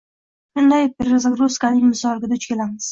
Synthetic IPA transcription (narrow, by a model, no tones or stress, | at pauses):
ʊnd̪ajpeɾazaɡɾuskanɪŋmɪsɒlˠɡʲɪd̪aʊt͡ʃkʲe̞lamɪz̥